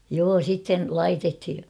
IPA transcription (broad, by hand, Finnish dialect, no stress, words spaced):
joː sitːen lɑitethi